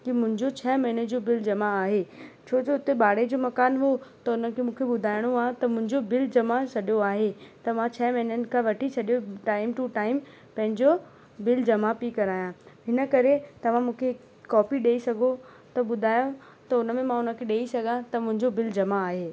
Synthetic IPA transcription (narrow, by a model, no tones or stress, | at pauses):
kimʊ̃ɦɪ̃ɲd͡ʑot͡ɕʰɐmɐɦɪnəd͡ʑoːbɪld͡ʑɐmaːɦet͡ɕʰoːd͡ʑoʊt̪eɓaːɽ̤ed͡ʑoːmɐkaːnɦot̪ɐʊnəkʰemũːkʰeɓʊd̪ʱaːɪɽ̃oaːɦt̪ɐmʊ̃ɦɪ̃ɲd͡ʑobɪld͡ʑɐmasɐɗijoaːɦet̪ɐmãt͡ɕʰɐːmɐɦɪnənɪ̆kʰãʋɐʈʰisʰɐɗijoʈaːɪmʈuʈaːɪm | pɐ̃ɦɪ̃ɲd͡ʑo | bɪld͡ʑɐmapikɐɾaːjãɦɪnə̆kɐɾet̪ɐʋ̤ãmũːkʰe | kːɔːpiɗeːisɐɡʱo | t̪ɐɓʊd̪ʱaːjõ | t̪ɐʊnə̆mẽmãʊnəkʰeɗeːisɐɡʱãt̪ɐmʊ̃ɦɪ̃ɲd͡ʑobɪld͡ʑɐmaːɦeː